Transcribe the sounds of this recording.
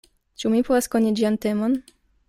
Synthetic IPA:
t͡ʃumipovaskonid͡ʒiantemon

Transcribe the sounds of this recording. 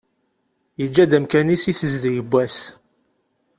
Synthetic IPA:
jəd͡ʒːæd̪æmkænisiθəzðjəbːæs

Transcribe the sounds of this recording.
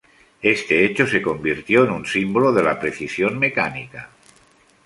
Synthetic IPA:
e̞st̪e̞et͡ʃose̞ko̞mbiɾt̪jo̞enunsimboloð̞e̞lapɾe̞θisjonme̞kanḭka

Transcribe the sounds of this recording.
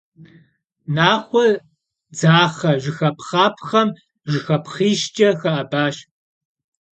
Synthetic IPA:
naːχʷɔ | d͡zaːχɐʒɨxɐpʰχaːpʰxɐm | ʒɨxɐpʰχiːʃt͡ʃʼɐxɐʔɐbaːʃ

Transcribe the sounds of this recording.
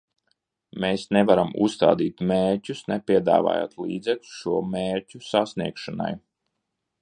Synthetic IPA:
meːsnevaɾamṵsːt̪a̰ːd̪iːt̪meːɾcʲusnɛpʲiɛd̪a̰ːva̰ːja̰ːt̪lḭːd̪zɛklʲu̥sʃuɔmeːɾcʲusasniɛkʃana̰j

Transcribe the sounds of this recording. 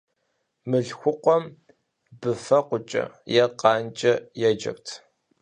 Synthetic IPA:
mɨɮxʷʊqʷɔm | bɨfɐqʷʊt͡ʃʼɐ̰jɛqʼɑːnt͡ʃʼɐjɛd͡ʒɐ̰ktʰ

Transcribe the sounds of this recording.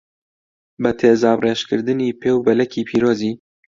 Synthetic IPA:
bɛt̪ʰeːzɑːbreːʃkɨɾd̪ɨniːpʰeːwbɛlɛkiːpʰiːɾoːziː

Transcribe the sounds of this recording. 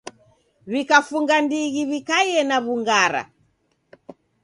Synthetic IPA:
βikafuŋɡandiɣiβikajɛnaβuŋɡaɾa̰

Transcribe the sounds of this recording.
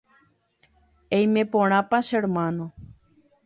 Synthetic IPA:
ejmẽpõɽ̃ãpaʃeɾmãnõ

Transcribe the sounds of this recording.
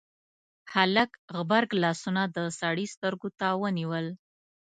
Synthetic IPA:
halakɣbaɾɡlɑsunad̪əsɑɽist̪əɾɡot̪awəniwəl

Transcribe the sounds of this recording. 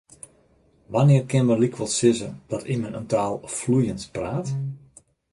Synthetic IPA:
ʋanɪərkɪnməlikʰʋɔlˠsɪzəd̥ɔtimənə̰ntaːlˠflujənspraːt

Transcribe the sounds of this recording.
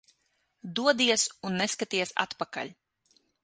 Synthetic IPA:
d̪uɔd̪iɛsunːeskat̪iɛsa̰t̪paka̰ʎʲ

